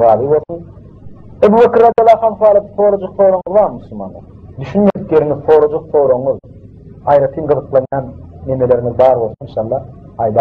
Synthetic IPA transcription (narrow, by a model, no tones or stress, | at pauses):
ɑːd̪ibo̞lˠθun | ebubekiɾɑd̪ɑlˠɑːχɑmsɑːlˠet̪ʰːθoːɾod͡ʒuqθo̞ːɾoɴɯzβɑɾmusulˠmɑ̰nd̪ˠɑ̰ | d̪yʃynme̞d̪ikje̞ɾiŋizθo̞ːɾod͡ʒuq̚θo̞ːɾoɴuð | ɑjɾɑt̪ʰiːnqɯðɯqlˠɑnjɑːnːemele̞ɾiŋizbɑːɾbo̞lˠsuninʃɑlːˠɑ | ɑjd̪ɑ